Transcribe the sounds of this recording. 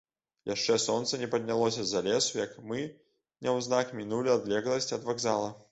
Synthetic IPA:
jaʂt͡ʂɛsɔnt̪sɐnʲɛpɐd̪ʲnʲalˠɔsʲɐzalʲɛsujɐkmɨ | nʲɛwznakmʲinulʲiad̪lʲɛɣlˠɐsʲt͡sʲɐd̪vaɡzalˠɐ

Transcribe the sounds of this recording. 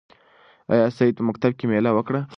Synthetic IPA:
a̰jɑsaid̪̚pəmak̚t̪ab̚kemelawəkɽa

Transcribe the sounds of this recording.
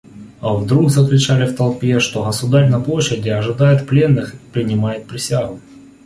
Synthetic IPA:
ɐvd̪ɾuɡzəklʲʊt͡ɕalʲɪft̪ɐlˠpʲe̞ʂt̪o̞ɣəsʊd̪aɾʲnɐplˠoɕːɪdʲɪɐʐɨd̪ajɪt̪plʲe̞nːɨxi̥pɾʲɪnʲɪmajɪt̪̚pɾʲɪsʲaɣʊ

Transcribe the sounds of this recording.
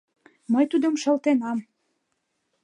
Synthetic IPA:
məjt̪ud̪əmʃə̆lt̪enɑm

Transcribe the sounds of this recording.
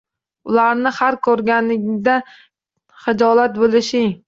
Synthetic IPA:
ʊlaɾnɪhaɾkʰɵɾɡʲanɪɡʲɪd̪a | χɪd͡ʒɒlat̪̚bolɪʃɪŋ

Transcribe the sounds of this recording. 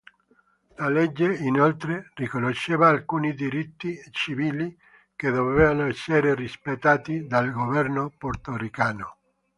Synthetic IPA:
lalɛd͡ʒːeinolt̪ɾerikonoʃːeːvaːlkuːnid̪iɾit̪ːit͡ʃiviːli | ked̪ovevanoɛsːeɾerispet̪ːaːt̪id̪alɡovɛrnoport̪orikaːno

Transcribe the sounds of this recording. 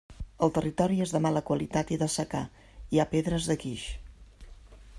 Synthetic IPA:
əlˠt̪ərit̪ɔɾiezðəmaləkwəlit̪at̪iðəsəka | iapeðɾəzðəkiʃ

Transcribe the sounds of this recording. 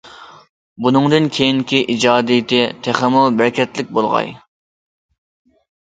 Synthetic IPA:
bunɨŋd̪ɨnkʲʰejiŋkʲʰiʔid͡ʒɑːd̪ijt̪ɪt̪ʰæχɛmulˠbæɾkʲɛt̪lɪk̚ʲbolˠʁɑ̰j

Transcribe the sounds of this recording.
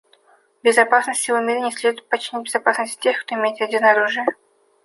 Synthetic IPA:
bʲɪzɐpasnəsʲtʲɪvʊmʲeɾʲɪnʲɪsʲlʲed̪ʊɪt̪̚pɐt͡ɕːɪnʲit̚ʲbʲɪzɐpasnəsʲtʲtʲexkt̪oɪmʲejɪt̪vʲadʲinəɐɾuʐɨjə

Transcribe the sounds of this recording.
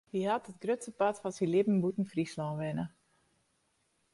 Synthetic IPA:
hihatət̚ɡrøtsəpatfɔsilɪbm̩butn̩frislɔʋɛnə

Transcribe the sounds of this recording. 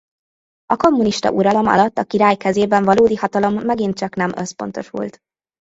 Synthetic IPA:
ɒko̞mːuniʃt̪ɒ̰ʔuɾɒlo̞mɒ̰lɒt̪ːɒkiɾaːjkɛzeːbɛɱvɒloːd̪ihɒt̪ɒlo̞mːɛɡin̚t͡ʃɒknɛmø̞spo̞̰nt̪o̞ʃṵlt̪

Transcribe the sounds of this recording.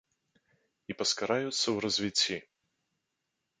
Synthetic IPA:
ipɐskɐɾajʊt̪səwɾɐzʲvʲitʲːi

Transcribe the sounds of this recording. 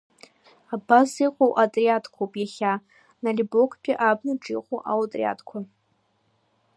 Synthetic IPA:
abasiqʷʼowʔatʼriatʰkʷʰowpʼjaχʲa | nalʲibokʰʼpʰʲʼiʔabnɨʈ͡ʂʼiqʼowʔa̰wtʼrḭa̰tʰkʷʰa

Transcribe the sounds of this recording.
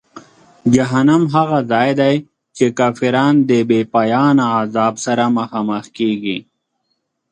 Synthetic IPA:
d͡ʒɐɦɐnɐmɦaɣazaːjd̪aj | t͡ʃekaːfiɾaːnd̪ebeːpaːjaːnaːzaːbsɐɾamɐxaːmɐxkeːɡi

